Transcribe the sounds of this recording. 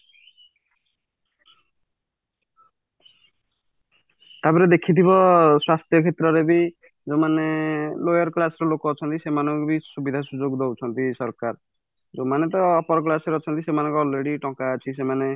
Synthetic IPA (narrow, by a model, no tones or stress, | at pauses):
t̪abiɾed̪ekʰit̪ʰibɔswast̪ʰjɔkʰet̪ɾɔɾebi | d͡ʒomanelojɔɾklasɔɾelokɔːt͡ʃʰɔnt̪isemanɔŋkubisubid̪ʱasud͡ʒoɡd̪ɔwt͡ʃʰɔnt̪isɔɾkaɾ | d͡ʒomanet̪̬ɔːpɔɾɔk̬lasɾeɔt͡ʃʰɔnt̪isemanɔŋkɔɔlɾeɽiʈɔ̃kaːt͡ʃʰisemane